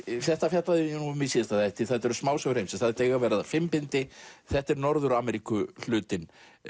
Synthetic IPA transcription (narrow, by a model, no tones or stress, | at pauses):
fθɛht̪afjat̪laðɪɛnumɪsiːðɪst̪aðɛjht̪ɪθaðt̪ɛɾʏsmaːwsœɣɾejmsɛmθaðt̪eːjɣavɛːɾɪðafɪmpɪnt̪ɪθɛht̪ɛɾnɔɾðʏɾaːmɛɾikʏl̥ʏːt̪ɪn